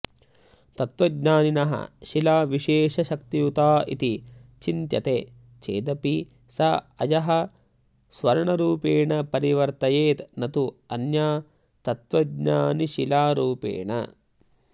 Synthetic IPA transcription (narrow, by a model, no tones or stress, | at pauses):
t̪ɐt̪ʋɐɡɲaːninɐɦɐ̰ʃilaːʋiʃeːʃɐʃɐkt̪ijut̪aːḭt̪it͡ʃint̪jɐ̰t̪e | t͡ʃḛːd̪ɐpi | sɐɐjɐɦɐ | sʋɐɾɐɳɐɾuːpeːɳɐpɐɾiʋɐɾt̪ɐjeːt̪nɐt̪uɐnjaː | t̪ɐt̪ʋɐɡɲa̰ːniʃilaːɾuːpḛːɳɐ̰